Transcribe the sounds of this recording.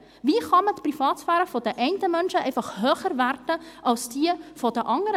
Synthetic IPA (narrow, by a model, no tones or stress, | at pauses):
viːχɑmətprifɑːtsfæːɾəfɔd̥əʔɛɪntəmœnʃəʔɛɪfɑχhøːχəɾværdəʔɑlsd̥iəfɔd̥əʔɑŋəɾə